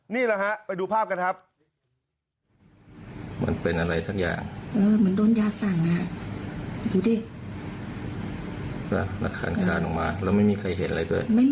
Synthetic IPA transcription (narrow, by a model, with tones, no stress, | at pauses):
niː˥˩la˧ha˦˥ʔpa˧jduː˧pʰaː˥˩p̚ka˧nkʰa˦˥p̚ | ma̰˩˦npe˨nʔa˧ɾa˧jsa˦˥k̚ja̰ː˨˩ŋʔɤː˧mɯ˨˩˦əndoː˧njaː˧sa˨˩ŋla˧˩˧ | duː˧deiː˥˩ | wa˧˩ɾa̰˧˥kʰːa̰ː˧˥nkʰaː˧nʔɔ˨˩ŋmaː˧ɾa˧˩wma˥˩jmiː˧kʰa˧jɦe˨˦nʔa˧a˧jdu˥˩əjma˥˩